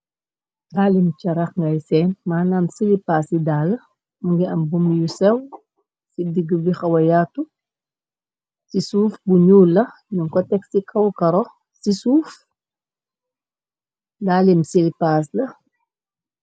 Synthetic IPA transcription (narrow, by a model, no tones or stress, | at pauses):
daːlimt͡ʃɐɾɐxŋɡajsɛːnmaːnamsilipaːsidaːlɐ | muŋɡiɐmbumjusɛw | sidiɡːəbixɐwɐjatːu | sisuːfbuɲuːlːɐ | nuŋkɔtɛksikʰɐwkɐɾɔx | sisuːf | daːlimsilipaːslɐ